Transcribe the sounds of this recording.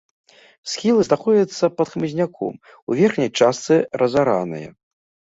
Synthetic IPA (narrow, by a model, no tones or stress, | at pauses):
sxʲilˠɨznaxɔd͡zʲɐt̪sːɐpɐt̪xmɨzʲnʲakʰɔ̰m | uvʲɛrxnʲɐjt͡ʂast̪sɨrɐzaɾanɨ̰jɛ̰